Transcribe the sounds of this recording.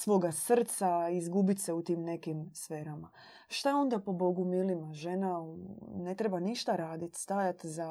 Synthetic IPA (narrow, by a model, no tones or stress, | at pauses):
sʋo̞ːɡasr̩t̪saizɡubit̪ʲseut̪iːmne̞kimsfe̞ːɾama | ʃt̪ao̞nd̪apo̞bo̞ɡumilimaʒenane̞t̪ɾebaniʃt̪aɾaːd̪it̪st̪ajat̪za